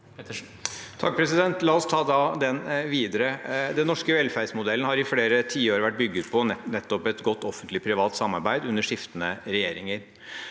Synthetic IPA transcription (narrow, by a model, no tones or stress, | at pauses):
t̪ʰɑk̚pʰɾɛsɪd̪ɛnt̪lɑːɔst̪ʰɑːd̪ɑd̪ɛnʋiːd̪əɾəd̪ɛnːɔʂkəʋɛlfæɾsmʊd̪ɛlːn̩hɑɾɪfleːɾət̪ʰiːəoːɾʋæʈ̚ːbʏɡːəd̪pʰɔnɛt̪ːɔpɛt̪ɡɔt̪ːɔfənt̪lɪpʰɾɪʋɑːt̪sɑmːɑɾbæɪd̪ʉnːəʂɪft̪ənəɾɛjeːɾɪŋəɾ